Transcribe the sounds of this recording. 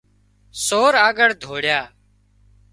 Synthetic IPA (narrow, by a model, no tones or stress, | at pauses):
soːɾaːɡəɽd̪ʱoːɽjaː